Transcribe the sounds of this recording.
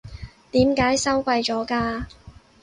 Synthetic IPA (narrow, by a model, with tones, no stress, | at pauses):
t̪iː˨˥mkaː˨˧˥jsɐ˥wkʷɐ˧jt͡ʃɔː˨˥kaː˧